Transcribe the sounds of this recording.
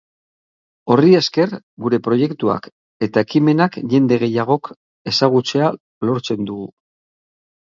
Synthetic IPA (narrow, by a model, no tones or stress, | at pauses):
o̞rie̞ske̞r | ɡuɾe̞pɾo̞je̞kt̪ua̰k | e̞t̪aekime̞nakʝe̞nd̪e̞ɣ̞e̞jaɣ̞o̞k | e̞saɣ̞ut͡se̞a | lo̞ɾt͡se̞nd̪uɣu